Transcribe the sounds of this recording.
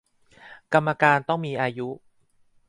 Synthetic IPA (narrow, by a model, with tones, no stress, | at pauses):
ka˧mːa˧kaː˧nt̪ɔ˥˩ŋmiː˧ʔaː˧ju˦˥